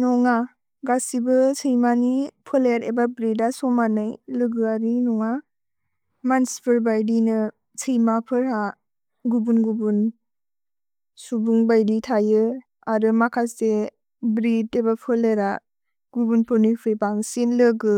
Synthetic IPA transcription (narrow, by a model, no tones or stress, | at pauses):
nɔŋa | ɡasibɯsʰɯjmanipʰɯleɾebabɾidasɔmanɯjlɯɡɯaɾinɔŋa | manspʰɯɾbajdinɯ | sʰɯjmapʰɯɾha | ɡubunɡubun | subuŋbajditʰajɯ | aɾɯmakʰase | bɾidebapʰɯleɾa | ɡ̥ubunpʰɯnɯjpʰɯjbaŋsinlɯɡɯ